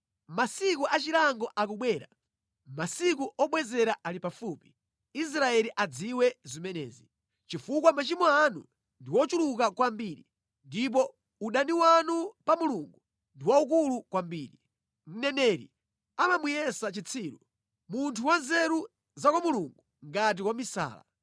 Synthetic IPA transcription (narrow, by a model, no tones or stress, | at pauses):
masikuʔat͡ʃilaŋɡɔʔak̬uɓwɛːɾa | masik̬uʔɔɓwɛzɛɾaʔalipafuːpi̥ | is̬ɾaɛliʔad͡ziwɛzimɛnɛ̰ːzi | t͡ʃifukwamat͡ʃimɔanṵ | ndiwɔt͡ʃuluk̬akwambiːɾḭ | ndip̬ɔ | uɗaniwanupamuluŋɡu | ndiwauk̬ulukwambiːɾi | ŋ̩nɛnɛɾḭ | amamujɛsat͡ʃit͡sʰiːɾṵ | muntʰuwanzɛɾu | zakwamuluŋɡu | ŋɡat̬ikwamisa̰ːla̰